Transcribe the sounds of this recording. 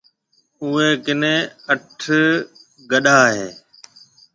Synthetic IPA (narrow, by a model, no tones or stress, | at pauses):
ʊːeːkɪnẽːəʈʰ | ɡəɗaːɦeː